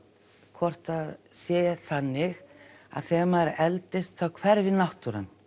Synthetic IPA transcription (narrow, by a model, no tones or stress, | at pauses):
kʰvɔr̥t̪aðsjɛːθanːɪɣa̰ðθɛːmaɾɛlt̪ɪst̪θawkʰvɛɾvɪðnaht̪ʏɾa̰n